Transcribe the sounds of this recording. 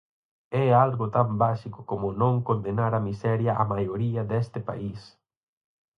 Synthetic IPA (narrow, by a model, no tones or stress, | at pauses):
ɛalɣʊt̪ambasikʊ̥komʊnõŋkond̪enaɾɐmisɛɾjɐʔa̰majoɾiɐd̪ɛst̪ɪpa̰is